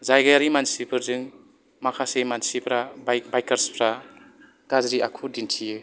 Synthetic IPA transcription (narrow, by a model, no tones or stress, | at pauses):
zajɡajaɾimansibʰɯɾzɯŋ | makʰasemansipʰɾabbajkaɾspʰɾa | kazɾiʔa̰kʰudintʰiɯ